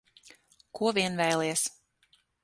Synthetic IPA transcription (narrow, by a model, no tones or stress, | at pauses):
kuɔvʲiɛnvɛjlˠiɛs